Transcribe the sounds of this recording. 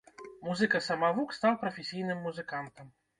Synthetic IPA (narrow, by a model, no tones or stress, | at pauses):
muzɨkɐsɐmavukst̪awpɾɐfʲesʲijnɨmːuzɨkant̪ɐm